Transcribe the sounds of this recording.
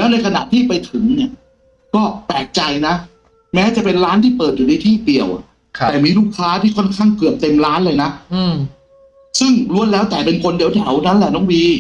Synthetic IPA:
lɛː˦˥wna˧jkʰa˧na̰˨˩t̪ʰiː˥˩pa˧jt̪ʰɯ˨˩˦ŋni˥˩ɐ | kɔː˥˩pɛː˨˩k̚t͡ɕa˧jna˦˥ | mɛː˦˥t͡ɕa˨˩pe˧nɾaː˦˥nt̪ʰiː˥˩pɤː˨˩t̪̚ju˨˩na˧jt̪ʰiː˥˩t̪i˨˩əw̪ʰ | ɛː˨˩miː˧luː˥˩kʰːaː˦˥t̪ʰiː˥˩kʰɔ˥˩nkʰaː˥˩ŋkɯ˨˩əp̚t̪e˧mɾaː˦˥nlɤː˧jna˦˥˧ | sɯ˥˩ŋlu˧˩˨ənlɛː˦˥wt̪ɛː˨˩pe˧nkʰo˧ndi˨˩˦wt̪ʰɛ˩˦wna˦˥nlɛ˨˩nɔː˨˩˦ŋwiː˧

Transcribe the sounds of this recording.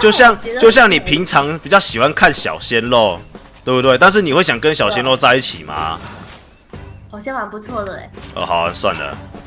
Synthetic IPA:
t͡ɕjo˥˧ʊɕjɑ˥˨ŋjo˥˧ʊɕ̬jɑ˥˩ŋni˨˩pʰi˨˦ŋt͡sʰɑ˨˦ŋpi˨˩t͡ɕjɑ˥˩ʊɕi˨˩xwa˦nkʰa˥˨nɕjɑ̰˨˩ʊɕjɛ˦nlo˥˨ʊ | t̪we˥˩˧bu˥˧t̪we˥˧ɪt̪a˥˧nʂ̬ɻ̩˥˨ni˨˩we˥˩ɕjɑ˨˩ŋkə˦nɕjɑ˨˩ʊɕɛ˦nlɔ˥˧ʊt͡sa˥˧ɪi˥˩t͡ɕʰi˨˩ma̰˦ | xɑ˨˩ʊɕjɛ˥ŋwa˨˩npu˧˥t͡sʰwɔ˥˩d̪ə̰˩˨˦ʔə̰˨˩a˨˦a˨˦nswa̰˥˨nd̪ə̰˩

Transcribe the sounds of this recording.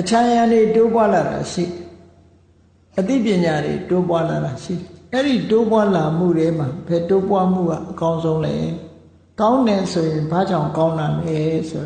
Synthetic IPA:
ʔət͡ɕʰã˨jã˨nde˨to˦p̬wa˦la˨ɾa̰˨ʃḭ˦˨dɛ˨ | ʔət̪ḭ˦˨pjɪ̃˨ɲa˨dḛ˨to˦p̬wa˦la˨ɾa˨ʃḭ˦˨ɾɛ˨ʔɛ˦ɾi˦˨to˦pwa˦la˨m̥ṵ˦˨ɾɛ˦m̥a˨bɛ˨to˦pwa˦m̥ṵ˦˨ɡa̰˦˨ʔəkã˦ʊ̃nzõ˦ʊ̃lɛ̰˦ | kã˦ʊ̃nɛ˨so˨jɪ̃˨mba̰˦˨d͡ʑã̰˦˨ŋkã˦ʊ̃na˨mlɛ˨˦so˨a˨

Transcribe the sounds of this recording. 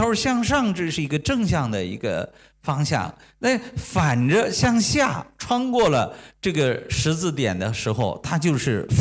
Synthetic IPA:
ɕjɑ˥˧ŋʂ̬ɑ˥˧ŋʈ͡ʂɻ̩˥˧ʂɻ̩˥˩i˧˥ɡə˧ʈ͡ʂɤ˥˧ŋɕ̬jɑ˥˩ŋd̪ə˩ḭ˧˥ɡə̰˧ | fɑ˥ŋɕjɑ̰˥˩ŋ | na˥˩fa˨˩nʈ͡ʂə˦ɕjɑ˥˧ŋɕja˥˩ʈ͡ʂʰwɑ˥ŋkwɔ˥˩lə˩ʈ͡ʂɤ˥˩ɡə˩ʂɻ̩˧˥t͡sɹ̩˥˩t̪jɛ̰˨˩nd̪ə˦ʂɻ̩˧˥xo˧ʊt̪ʰa˥t͡ɕjo˥˧ʊʂɻ̩˥˩f

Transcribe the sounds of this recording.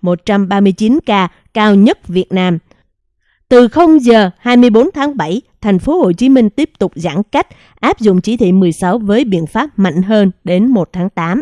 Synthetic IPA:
mo˨˩t̚t͡ɕa˧mɓaː˧mɨ˧əjt͡ɕi˨˦nkaː˧ | kaː˧wɲə˦˥t̚vi˨˩ət̚naː˧m | t̪ɨ˨˩xə˧wŋ͡mzəː˨˩haː˧jmɨ˧əjɓo˨˦nt̪ʰaː˨˦ŋɓa˧˩jt̪ʰɛ˨˩jŋ̟fo˨˦ho̰˧˨t͡ɕi˨˦mï˧ŋ̟t̪i˦˥əp̚t̪ʊ˨˩k͡p̚za̰ː˧˩nka˦˥jk̟̚ | ʔaː˦˥p̚zʊ̰˧˨ŋ͡mt͡ɕi˨˦t̪ʰwḭ˧˨mɨ˨˩əjsa˨˦wvəː˨˦jɓḭ˧˨ənfaː˦˥p̚ma̰˧˨jŋ̟ɦəː˧nɗe˨˦nmo˨˩t̚t̪ʰaː˨˦ŋt̪aː˨˦m

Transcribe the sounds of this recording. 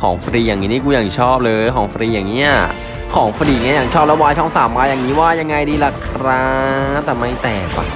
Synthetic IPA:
kʰɔː˩˦ŋfɾiː˧jaː˨˩ŋːiː˦˥niː˦˥˩k̬uː˧jaː˨˩ŋ˨˩t͡ɕʰɔː˥˩p̚lɤː˧jkʰɔː˩˦ŋfɾiː˧jaː˨˩ŋːiː˦˥ʔa˩ | kʰɔː˩˦ŋfɾiː˧˩ŋi˦˥jaː˨˩t͡ɕʰɔː˥˩p̚lɛ˦˥waː˧jt͡ɕʰɔ˥˩ŋsaː˩˦mːaː˧ja˨˩ŋːiː˦˥waː˥˩ja˧ŋːa˧jdiː˧la˧˩kʰɾaː˦˥ŋŋt̪ɛː˨˩ma˥˩jt̪ɛː˨˩k̚wa̰˧˩

